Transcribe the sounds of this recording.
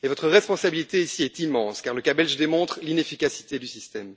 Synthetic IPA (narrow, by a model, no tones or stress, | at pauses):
evɔt̪χəʁɛspɔ̃sabilit̪eisiɛt̪imɑ̃skaʁləkabɛlʒd̪emɔ̃t̪χlinefikasi̥t̪ed̪ysist̪ɛm